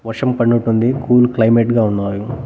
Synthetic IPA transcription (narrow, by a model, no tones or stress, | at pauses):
ʋɐɾʂɐmpɐɳːuʈːund̪ikʰuːlklɐjmeʈɡaːunːaːju